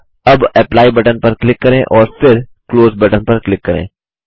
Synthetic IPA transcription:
ɐbɛplaːibɐʈənpɐɾklɪkːɐɾẽʔɔːɾfɪɾkloːzbɐʈənpɐɾklɪkːɐɾḛ̃ː

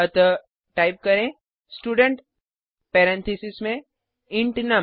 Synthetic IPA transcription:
ɐt̪ə | ʈaːɪp̚kɐɾẽ | sʈuːɖə̃ɳʈ | peːɾɛ̃nt̪ʰisismẽ | ɪ̃ɳʈnɐ

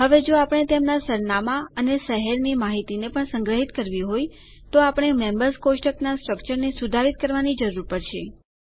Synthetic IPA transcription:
ɦəʋed͡ʒoapəɳ̃et̪emnasəɾnamaənesəɦɛɾnimaɦit̪inepəɳsəŋɡɾəɦit̪kəɾʋiɦoj | t̪oapəɽ̃emẽmbəɾskosʃʈəknasʈɾəkt͡ʃəɾnesud̪ʱaɾit̪̚kəɾʋanid͡ʒəɾuɾpəɽʃe

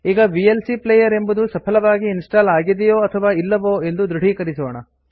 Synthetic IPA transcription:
iːɡɐʋielsiplejɐɾe̞mbud̪usɐpʰɐlɐʋaːɡiːnsʈaːlaːɡid̪ijoːɐt̪ʰɐʋaːilːɐʋoːe̞nd̪ud̪ɾuɽ̤ʱiːkɐɾisoːɳɐ

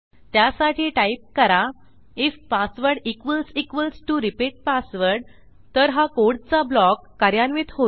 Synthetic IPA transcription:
t̪jasaʈʰiːʈaip̚kəɾa | ifpasʋəɾɖikʋəlsikʋəlsʈuɾipiʈ̚pasʋəɾɽ | t̪əɾɦakoɽt͡sablɔkːəɾjanʋit̪ɦo

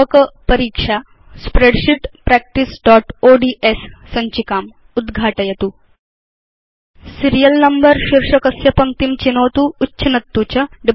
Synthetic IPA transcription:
kɐpɐɾiːkʂa | spɾeɖʃiʈpɾɛk̚ʈisɖɔːʈoːɖiːʔesːɐɲt͡ɕikaːm | ud̪ɡʱaːʈɐjɐt̪uː | siɾijəlnɐmbəɾʃiɾʂɐkɐsjɐpɐŋt̪imt͡ɕinoːt̪uːtːɕʰɐnɐt̪ːut͡ɕɐɖi

